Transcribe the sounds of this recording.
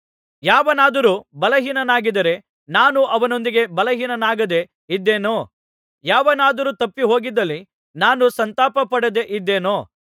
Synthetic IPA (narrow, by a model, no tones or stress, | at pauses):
jaːʋɐnaːd̪ɐɾuːbɐlɐɦiːnɐnaːɡid̪ɐɾe̞ | naːnuʔɐʋɐno̞nd̪iɡe̞bɐlɐɦiːnɐnaːɡɐd̪e̞ | id̪ːeːnoː | jaːʋɐnaːd̪ɐɾuːt̪ɐpːiɦo̞ːɡid̪ːɐlːi | naːnusɐnt̪aːpɐpɐɽɐd̪e̞ʔid̪ːe̞ːnoː